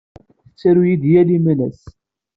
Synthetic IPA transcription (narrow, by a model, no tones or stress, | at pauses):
θət͡sːæɾujid̪jælimænæ̰s